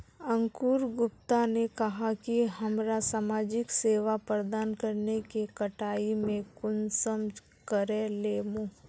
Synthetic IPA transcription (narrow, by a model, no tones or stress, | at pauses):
ɐ̃ŋkuːɾɡʊpt̪anekɐɦakiɦɐmɾasaːmaːd͡ʒɪkseːʋapɾəd̪aːnkɐɾnekekɐʈaːimẽkʊnsəm | kəɾeleːmõː